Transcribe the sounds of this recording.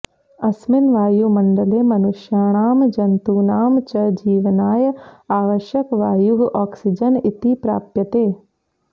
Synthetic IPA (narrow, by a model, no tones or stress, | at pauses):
ɐsmɪnʋaːjumɐɳɖəleːmɐnʊʃjaːɽ̃aːmd͡ʒɐnt̪uːnaːmt͡ʃɐd͡ʒiːʋnaːjəaːʋəʃjəkʋaːjuɡɔːksɪd͡ʒənɪt̪ipɾa̰ːpjət̪eː